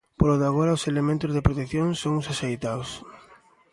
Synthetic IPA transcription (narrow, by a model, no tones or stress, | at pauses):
poloðaɣ̞oɾaʊselemẽnt̪ʊzðepɾot̪ekθjoŋsoŋʊsasejt̪aws